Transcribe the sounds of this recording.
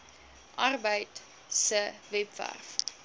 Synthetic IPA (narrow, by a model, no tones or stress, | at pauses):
ʔɐrbəjt | səvɛpvæ̰rf